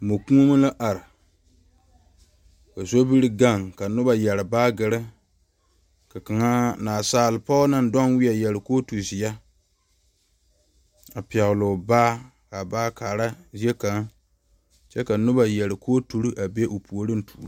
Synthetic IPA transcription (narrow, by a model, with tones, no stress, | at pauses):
mo˨ku˦o˦ma˦la˦ʔa˨ɾɪ˨ | ka˨zo˦bi˦ɾɨ˦ɡa˦˨ŋka˨nʊ˦ba˨jɛ˨ɾɨ˨baː˦ɡɨ˨ɾɨ˦ | ka˨ka˨ŋa˦naː˨saː˦˨lɨ˨pɔ˦na˦n˦dɔ˦nwɪ˦a˨jɛ˨lɨ˨koː˦tu˨zɪ˨a˦ | a˨pi˨ɛ˨ɣlʊ˨baː˦ | ka˨baː˦kaː˨ɾa˦zi˦e˦ka˨˦ŋ | t͡ʃɛ˦ka˨nʊ˦ba˨jɛ˨lɨ˨kʰoː˦tu˨ɾi˦ʔa˨be˦ʔo˨pʰu˨o˨ɾɨ˦n̩˦tʰu̥˨˦